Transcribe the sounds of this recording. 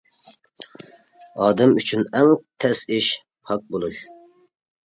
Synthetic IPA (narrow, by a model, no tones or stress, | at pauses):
ɑːd̪ɛmyt͡ʃʰynɛŋt̪ʰɛsɪʃ | hɑk̚bolˠuʃ